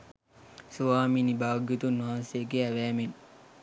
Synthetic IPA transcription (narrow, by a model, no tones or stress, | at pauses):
suʋaːmiːnibaːʋɡjot̪unːaɦansejəɡeæʋæːmen